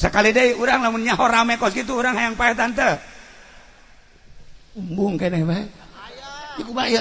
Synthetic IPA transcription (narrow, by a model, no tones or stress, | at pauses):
səkalidaiuɾaŋlamunɲaɦɔɾamɛkɔsɡit̪uːɾaŋhajaŋpaɛt̪̬ant̪ə | umbuŋkanɛbaɛ | d͡ʒikubaja